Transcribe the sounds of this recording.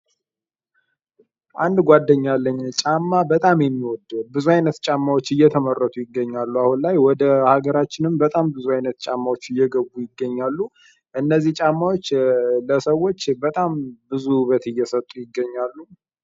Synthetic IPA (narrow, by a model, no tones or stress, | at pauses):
ʔand̪ɡʷad̪ːəɲːalːəɲːt͡ʃʼamːabət̪ʼamjɛmːiwɔd̪bɨzuajnət̪t͡ʃʼamːawot͡ʃːɨjːɛt̪ʰəmərːət̪ʰujɪɡːəɲːalːuahunlajwɔd̪əhaɡəɾat͡ʃːɪnɨmbət̪ʼambɨzuajnət̪t͡ʃʼamːawot͡ʃːɨjːɛɡəbujɪɡːəɲːalːu | ɨnːəzːiht͡ʃʼamːawot͡ʃːləsəwo̞t͡ʃːbət̪ʼambɨzuβət̪ɨjːɛsət̪ʼujɪɡːəɲːalːu